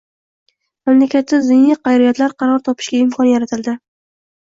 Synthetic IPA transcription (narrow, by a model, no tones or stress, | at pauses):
mamlakʲat̪ʰːɪzɪnɪqʰɑjɾɪjɒt̪laɾqʰɑɾɒɾt̪ʰɒpʰɪ̥ʃɡʲaɪmkʰɒnjaɾat̪ʰɪld̪ɪ